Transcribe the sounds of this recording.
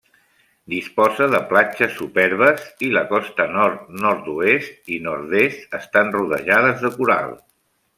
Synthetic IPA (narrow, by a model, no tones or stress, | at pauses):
d̪ispɔzəðəplat͡ʃəsːupɛɾβ̞əziləkɔst̪ənɔɾt̪nɔɾt̪uest̪inɔɾðest̪əst̪anruðə̰ʒað̞əzðəkuɾa̰lˠ